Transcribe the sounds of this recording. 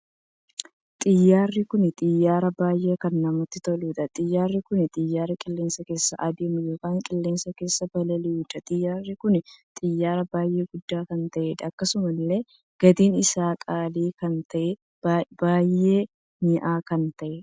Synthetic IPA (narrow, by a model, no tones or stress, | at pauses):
t̪ʼɪjːaːrːɪkʊnɪt̪ʼɪjːaːɾɐbaːjːe̞ːkɐnːɐmɔt̪ːɪt̪ɔluːᶑ̪ɐt̪ʼɪjːaːrːɪkʊnɪt̪ʼɪjːaːɾɐkʼɪlːe̞ːnsɐke̞ːsːɐ̰ʔɐd̪eːmʊjo̞ːkaːŋkʼɪlːe̞ːnsɐke̞ːsːɐbɐlɐlɪuːᶑ̪ɐt̪ʼɪjːaːrːɪkʊnɪt̪ʼɪjːaːɾɐbaːjʔe̞ːɡʊd̪ːaːkɐnt̪ɐʔɛᶑ̪ɐːkːɐsʊmɐlːe̞ː | ɡ̥ɐd̪iːnɪsaːkʼaːliːkɐnt̪ʰɐʔɛ | baːjːe̞ː | nɪʔaːkɐnt̪ɐʔɛ